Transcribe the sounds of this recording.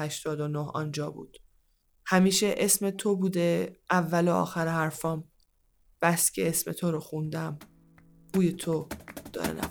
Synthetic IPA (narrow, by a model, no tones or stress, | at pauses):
æʃt̪ɒːd̪onohɒ̰nd͡ʒɒːbṵːd̪̥ | hæmiːʃe̞ʔesme̞t̪ʰobuːd̪e̞ʔævːæloɒ̰ːxæɾehæɾfɒːm | b̥æscʰḛesmḛt̪ʰoɾoxund̪æm | b̥uːjet̪ʰod̪̥ɒ̰ːɾḛnæ̰